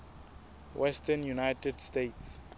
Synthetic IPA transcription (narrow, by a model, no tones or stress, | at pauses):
wʔɛstɛnjunajtɛdstets